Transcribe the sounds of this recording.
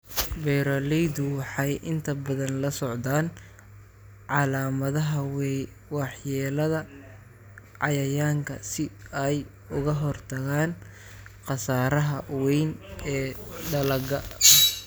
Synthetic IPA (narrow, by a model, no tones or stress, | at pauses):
bɛjɾɔlɛjd̪ʊwɑħɑjʔɪnt̪ʰɐbɐðɐnlɐsɔʕd̪aːn | ʕɑlaːmɐðɐɦɐ | wɑħjɛːlɐðɐ | ʕɑjɐjaːŋkʰɐsɪɛj | ʊɣɐɦɔrt̪ʰɐɣaːn | qɑsaːɾɐɦɐwɛjnɛːɖɐlɐɡɐ